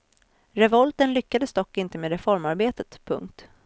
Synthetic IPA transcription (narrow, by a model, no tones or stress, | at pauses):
ɾɛvɔlt̪ənlʏkːad̪əsd̪ɔkːɪnt̪əmeːd̪ɾɛfɔɾmaɾbeːt̪ət̪pʰɵ̰ŋk̚t̪